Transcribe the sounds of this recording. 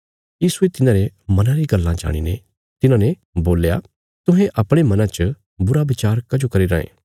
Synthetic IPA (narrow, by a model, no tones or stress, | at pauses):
jiːsuet̪ɪnãɾemɐnãɾiɡɐlːãd͡ʒa̰ːɽ̃ḭne | t̪ɪnãne | boːlja̰ | t̪ʊ̃ɦẽʔɐpɽ̃emɐnãt͡ʃə | bʊɾabɪt͡ʃaːɾkɐd͡ʒokɐɾiɾɐ̃ːḛ̃ː